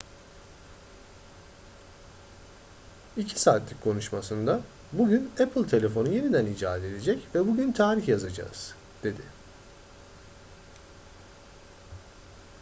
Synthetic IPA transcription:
icʰi̥saːt̪ʰlʲickʰo̞nuʃmasɯnd̪a | buɟynɛpʰlʲˠt̪ʰe̞lʲe̞fo̞nuje̞nid̪ænid͡ʒa̰ːd̪e̞d̪e̞d͡ʒɛcvɛbuɟynt̪ʰaːɾiçjazad͡ʒa̰z̥ | d̪̥e̞d̪ɪ

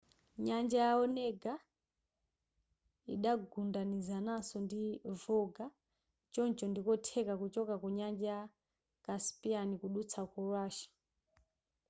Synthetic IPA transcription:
ɲand͡ʒajaɔnɛɡa | iɗaɡundanizanasɔndivɔɡa | t͡ʃɔnt͡ʃɔndikɔtʰɛkakut͡ʃɔkakuɲand͡ʒaja | kaspianikuɗut͡sʰakɔɾaːʃḁ

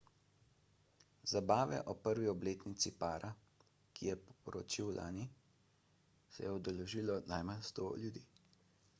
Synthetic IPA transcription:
zabaːʋɛ̰ʔɔpəɾʋiɔbleːt̪nit̪sipaːɾʔa | kʰijɛppɔɾɔt͡ʃiwlʔa̰ːni | sɛ̰jɛɔd̪ɔlɔʒiːlɔnajmanst̪oːljud̪iː

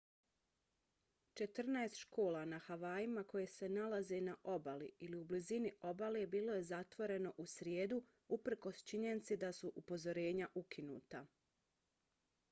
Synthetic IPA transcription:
t͡ʃe̞t̪r̩naest̪ʃko̞ːlˠanaxaʋaːjimako̞jese̞nalaze̞naʔo̞balḭiliubliziniʔo̞balebiːlo̞je̞zat̪ʋo̞ɾe̞no̞ʔusɾjeːd̪u | upɾ̩ko̞st͡ʃiɲenit̪sid̪asuʔupo̞zo̞ɾe̞ːɲaʔukʰinṵːt̪a

